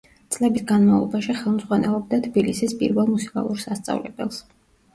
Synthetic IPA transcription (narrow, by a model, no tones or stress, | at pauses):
t̪sʼlɛbisɡanmavlˠɔ̰baʃiχɛlˠmzʁwanɛlˠɔb̚d̪at̪ʰb̥ilisispʼḭɾvɛlˠmusi̥kʼa̰lˠuɾsast̪sʼa̰vlɛ̰bɛ̰lˠs